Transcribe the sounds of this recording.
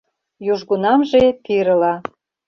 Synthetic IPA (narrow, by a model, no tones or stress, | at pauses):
juʒɣunɑmʒepiɾəlɑ